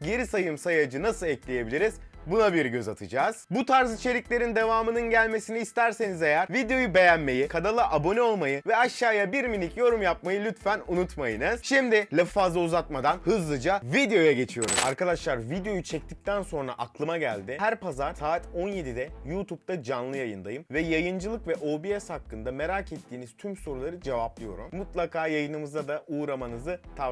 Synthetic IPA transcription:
ɟe̞ɾisajɯmsajad͡ʒɯnasɯlˠɛclʲeje̞bilʲiɾiz̥bunabiɾɟø̞zat̪ʰɯd͡ʒaːz̥but̪ʰaɾzit͡ʃʰe̞ɾiclʲe̞ɾind̪e̞vaːmɯnɯnɟælʲme̞siniːst̪ʰæɾse̞nizejæɾvid̪ejo̞jube̞jænme̞jikʰad̪alˠɯʔabo̞nɛo̞lˠmajɯvɛaʃːaːjabiɾminʲicjo̞ɾumjap̚majɯlʲyt̪fænunut̪majɯnɯz̥ʃimd̪ɪlʲafazˠuzat̪̚mad̪anhɯzlˠɯd͡ʒavid̪ejo̞jaɟe̞t͡ʃʰijo̞ɾṵma̰ɾkad̪aʃlˠaɾvid̪ejo̞jut͡ʃʰɛc̚t̪ʰic̚t̪ʰænso̞nɾa̰ʔaklˠɯmaɟælʲd̪ɪhæɾpazaɾsaːt̪ʰo̞nje̞d̪id̪ɛjuːt̪ʰup̚t̪ʰad͡ʒanlˠɯjajɯnd̪ajɯmvɛjajɯnd͡ʒɯlˠɯkvɛʔo̞biɛshakːɯnd̪ame̞ɾaːcʰet̪ʰːiːniz̥t̪ʰymso̞ɾulˠaɾɯd͡ʒe̞vaplˠijo̞ɾṵmːut̪lˠakʰaːjajɯnɯmɯzd̪ad̪aʔuːɾamanɯzɯt̪ʰa

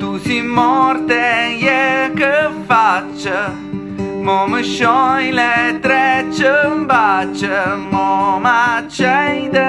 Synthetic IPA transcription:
t̪usimːɔɾt̪ɛjɛkːəfat͡ʃːə | mɔməʃːɔjlɛt̪ːɾɛt͡ʃːəmbat͡ʃːəmɔmat͡ʃːɛjd̪ə

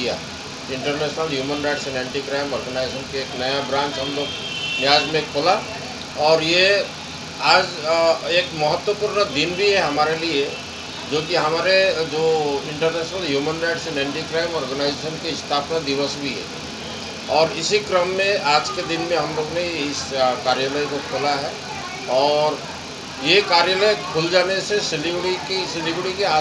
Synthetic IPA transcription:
ija̰ | ɪ̃ɳʈəɾnɛːʃnəlɦjuːmənɾaɪʈsɛ̃nɛ̃ːɳʈikɾaːɪmɔːɾɡənaɪzeːʃənkeːknɐjabɾãːnt͡ʃɦɐmloːɡ | nɪjaːd͡ʒmẽkpʰola | ɔːɾje | aːd͡ʒeːkmɐɦət̪ːwəpuːɾnəd̪ɪnbʱiɦɛɦɐmaːɾelie | d͡ʒoːkiɦɐmaːɾed͡ʒoːɪ̃ɳʈəɾnɛːʃnəlɦjuːmənɾaːɪʈsenɛ̃ːɳʈikɾaːɪmɔːɾɡənaːɪzeːʃənkeɪst̪ʰaːpnad̪ɪʋəsbʱiɦɛ̰ | ɔːɾɪsikɾəmːẽaːd͡ʒked̪ɪnmẽɦɐmloːɡneɪskaːɾjaləjkokʰʊlaɦɛː | ɔːɾ | jekaːɾjaləjkʰʊld͡ʒaːnesesɪlɪbʈikisɪlɪbɾɽikeaː

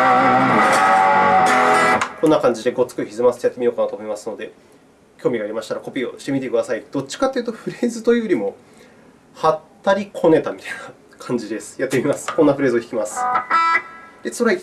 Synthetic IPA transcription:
konːakãɲ̟d͡ʑid̪e̞ɡo̞t͡sɨ̥kɯ̟çizɨmasɨ̥t̪ejat̪ːemʲio̞ːkanat̪o̞mo̞imasɨ̥no̞d̪e̞ | kʲo̞ːmʲiɡaɾʲimaɕi̥t̪aɾako̞pʲiːo̞̰ɕi̥t̪eit̪e̞kɯ̟d̪asaid̪̥o̞t͡ɕːi̥kat̪ːeiɯ̟t̪oɸɯ̟ɾe̞ːzɨt̪o̞joɾʲimo̞ | hat̪ːaɾʲikʰo̞ne̞t̪amʲit̪ajna | kʰãɲ̟d͡ʑid̪e̞sɨ̥jat̪ːe̞mʲimasɨ̥kõ̞nːaɸɯɾe̞ːzɨoçi̥kʲimasɨ̥ | d̪̥e̞soɾai

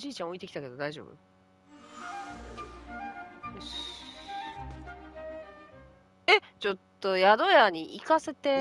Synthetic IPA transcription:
ʑiːt͡ɕão̞it̪eki̥t̪ake̞d̪o̞d̪aiʑo̞̰ːbɯ̰ | et͡ɕo̞t̪ːo̞jad̪o̞jaɲ̟iʔikase̞t̪e̞

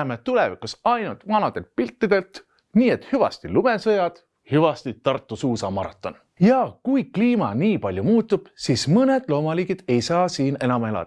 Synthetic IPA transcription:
met̪ule̞vikusɑjnult̪vɑnɑd̪̥e̞lt̪̚pilʲt̪ːid̪̥e̞lt̪ | niːe̞t̪ːˑhyvɑ̰st̪ilume̞sɤjɑd̪̥ | hyvɑst̪it̪ɑrt̪ːˑusuːsɑmɑɾɑ̰t̪ːˑo̞n | jɑkujkliːmɑniːpɑlʲjumuːt̪ːˑub̥siːsmɤne̞d̪̥lo̞ːmɑliːɡ̥id̪̥e̞jsɑːsiːne̞nɑme̞lɑ̰d̪

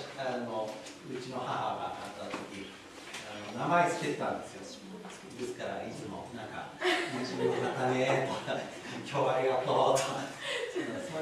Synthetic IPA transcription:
i̥ano | ɯ̟t͡ɕino̞hahaɡa̰ʔːt̪ːat̪okʲi | ano̞namaet͡sɨ̥ket̪t̪ːãnd̪e̞sɨjo̞̥ | kd̪e̞sɨ̥kaɾait͡sɨmo̞̰nãŋka̰mot͡ɕibokɯnat̪anet̪oka | kʲʰoβaɾʲiɡat̪ot̪oka

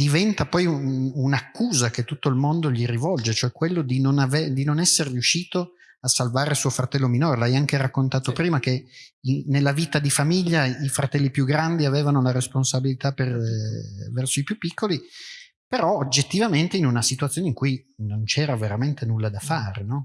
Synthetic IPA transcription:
d̪ivɛnt̪apɔjuunakːuːzaket̪ːut̪ːoilmond̪oʎirivɔld͡ʒet͡ʃoɛkːwelːod̪inonaved̪inonɛsːerriuʃːiːt̪o | asːalvaːɾesuːofɾat̪ɛlːominoːɾelajaŋkeɾakːont̪aːt̪opɾiːmak̟einelːaviːt̪ad̪ifamiʎːaifɾat̪ɛlːipjuɡɾand̪iaveːvanolaɾesponsabilit̪aper | vɛrsoipjupːikːoli | peɾɔod͡ʒːet̪ːivament̪einunasit̪uat̪sːjoːneiŋkujnont͡ʃɛːɾaveɾament̪enulːad̪afaːɾenɔ

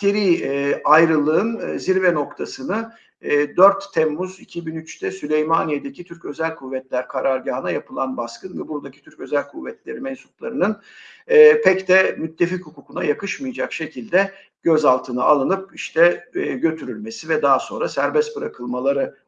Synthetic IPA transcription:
ceɾiːajɾɯlˠɯɯnziɾvɛno̞kt̪ʰasɯnɯː | d̪øɾt̪ʰːɛmːuzicʰibinyt͡ʃt̪ʰɛsylʲejmanijed̪e̞cʰit̪ʰyɾcø̞zælʲkʰuvːɛt̪lʲæɾkʰaɾaɾɟaːnajapɯlˠanbaskʰɯnvɛbuɾd̪acʰi̥t̪ʰyɾcø̞zælʲkʰuvːɛt̪lʲe̞ɾimɛnsup̚lˠaɾɯnɯnː | pʰɛct̪ɛmyt̪ʰːe̞fichukukunajakɯʃmɯjd͡ʒakʃe̞cʰilʲd̪ɛ | ɟ̥øzalˠt̪ʰɯnɯalˠɯnɯp̚iʃt̪ʰɛɟø̞t̪ʰyɾylʲme̞sivɛd̪aɦso̞nɾasæɾbɛst̪̚bɯɾakʰɯlˠmalˠaɾɯ

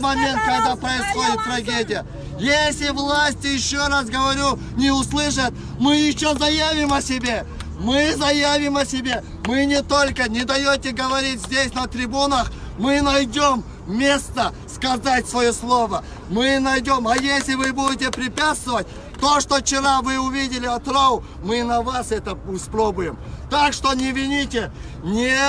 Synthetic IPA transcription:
mɐmʲe̞nt̪̚kɐɡd̪apɾəɪsχo̞dʲɪt̪ːɾɐɡʲedʲɪjə | jesʲlʲɪvlˠasʲtʲjɪɕːoras̬ɡəvɐɾʲu | nʲɪʊslˠɨʂɨt̪̚ | mɨjɪɕːozɐjavʲɪmɐsʲɪbʲe̞ | mɨzɐjavʲɪmɐsʲɪbʲe̞ | mɨnʲɪt̪o̞lʲkənʲɪd̪ɐjotʲɪɡəvɐɾʲitʲzʲdʲesʲnət̪ɾʲɪbunəχ | mɨnɐjdʲom | mʲe̞st̪ə | skɐzatʲsvɐjoslˠo̞və | mɨnɐjdʲo̞mɐjesʲlʲɪvɨbudʲɪtʲɪpɾʲɪpʲat̪st̪vəvətʲ | t̪o̞ʂt̪ot͡ɕɪɾavɨʊvʲidʲɪlʲɪɐt̪ɾaʊ | mɨnɐvasɛt̪əʊspɾobʊjɪmt̪akʂt̪o̞nʲɪvʲɪnʲitʲɪ | nʲe

